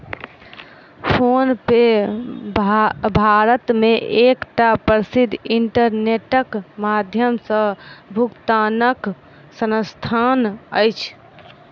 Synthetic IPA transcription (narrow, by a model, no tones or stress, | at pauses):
pʰonpe | bʱaɾət̪meʔekʈapəɾsid̪ʱiɳʈəɾneʈəkmad̪ʱjəmsə̃bʱukt̪anək | sənəst̪ʰanəjt͡ʃʰ